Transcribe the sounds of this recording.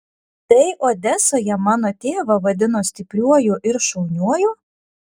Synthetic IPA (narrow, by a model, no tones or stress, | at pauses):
t̪ɐɪʔoːd̪ʲɛsoːjɛmɑːnoːt̪ʲeːʋɐʋɐd̪ʲɪnoːsʲt̪ʲɪpʲɾʲuɔjuʔɪɾʃɔʊnʲuɔjuː